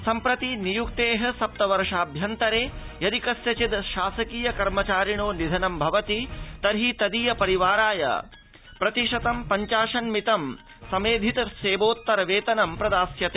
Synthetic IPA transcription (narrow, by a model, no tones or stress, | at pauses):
sɐmpɾɐt̪inijuk̚t̪eːɦɐ̆sɐp̚t̪ɐʋɐɾʂaːbʱjɐnt̪ɐɾeː | jɐd̪ikɐsjɐt͡ʃid̪ʃaːsɐkiːjɐkɐɾmɐt͡ʃaːɾiɳoːnid̪ʱɐnɐmbʱɐʋɐt̪it̪ɐɾɦit̪ɐd̪ijɐpɐɾiʋaːɾaːjɐ̰ | pɾɐt̪iʂɐt̪ɐmpɐɲt͡ʃaːʂɐnmit̪ɐm | sɐmeːd̪ʱit̪ɐseːboːt̪ːɐɾɐʋeːt̪ɐnɐmpɾɐd̪aːsjɐt̪eː